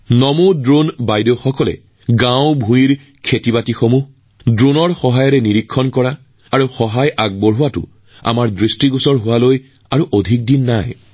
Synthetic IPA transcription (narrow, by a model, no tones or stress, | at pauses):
nɔmudɹonbajdexɔkɔlɛ̰ | ɡãwbʱuiɹ | kʰetibatixomuh | dɹonɔɹxɔɦajɔɹɛniɹikʰːɔnkɔɹaː | ɹuxɔɦajʔaɡ̚boɹɦʊwatʊ̰ | a̰maɹdɹistiɡusɔɹɦʊwaloj | aɹuʔodʱik̚dinːaj